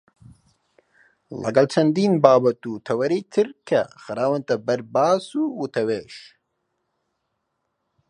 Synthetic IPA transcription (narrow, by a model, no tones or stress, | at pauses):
lɐ̰ɡɐlt͡ʃʰɐnd̪iːnbaːbɐt̪uːt̪ʰɐwɐɾiːt̪ʰɨɾkʰɐxɨɾaːwɐnt̪ɐbɐɾbaːsuːwut̪ʰɐweːʃ